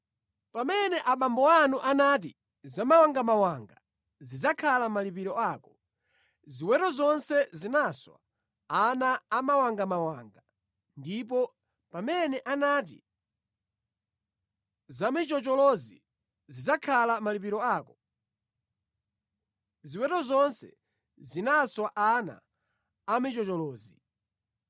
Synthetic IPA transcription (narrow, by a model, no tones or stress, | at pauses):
pamɛnɛʔaɓambɔanuʔanaːt̬ḭ | zamawaŋɡamawaŋɡa | zizakʰalamalipiɾɔaːkɔ | ziwɛɾɔzɔnsɛzinaswa̰ | anaːmawaŋɡamawaːŋɡa | ndip̬ɔ | pamɛnɛʔanaːt̬ḭ | zamit͡ʃɔt͡ʃɔlɔzḭ | zizakʰalamalip̬iɾɔaːkɔ | ziwɛtɔzɔnsɛ̰ | zinaswaʔana̰ː | mit͡ʃɔt͡ʃɔlɔːzi